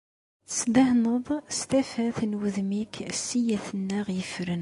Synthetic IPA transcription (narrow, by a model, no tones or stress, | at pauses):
sd̪əhnəðˤst̪æfæθənwəðmiksijæθənːæʁjəfɾən